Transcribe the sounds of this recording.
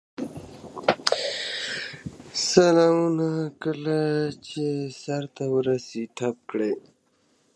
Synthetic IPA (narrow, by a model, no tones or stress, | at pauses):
səlaunakəlat͡ɕesɐɾt̪awɾɐsiʈʰɐp̚kɽe